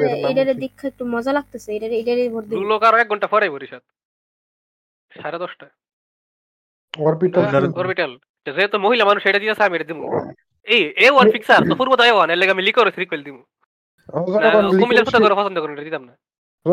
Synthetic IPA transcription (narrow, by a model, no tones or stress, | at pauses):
ejʈaɾed̪ikʰːaek̚ʈumɔzalaɡ̚t̪eseejʈaɾejʈaɾebʱɔɾd̪iulokaɾɔɛk̚ɡɔɳʈafʰɔɾajbʱoɾiʃat̪̚ | ʃaɾad̪ɔsʈa | ɔɾbiaaɔɾpiʈɐl | eʈːazojet̪omoɦilamanuʃejʈad̪it̪asaamiejʈad̪imṵ | eewanfiksaɾt̪ofuɾbɔt̪aewanelːɛɡamilikɔɾosiɾikbeld̪imu | nkomileɾpʰut̪akɔɾopɔsɔnd̪ɔkɔɾneʈad̪it̪amna